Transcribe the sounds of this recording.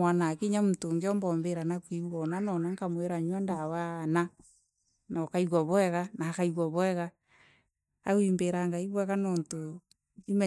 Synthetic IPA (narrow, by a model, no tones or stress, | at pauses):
anakiɲamutoŋɡɔmbɔmbeɾanakwiwwɔnanɔnaŋkamweɾaɲwandawana | nakaiɣaβɔɛɣanakaiɣwaβɔɛɣa | a̰wimbeɾaŋɡaiβwɛkanɔnto | imɛ